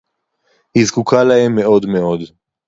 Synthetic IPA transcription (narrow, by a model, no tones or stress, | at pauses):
hizkukʰalaɦemːeo̞d̪meo̞d̪